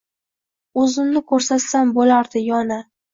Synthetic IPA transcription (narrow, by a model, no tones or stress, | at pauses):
ɵzɪmnɪkʰɵɾsat̪sambolaɾd̪ɪjɒna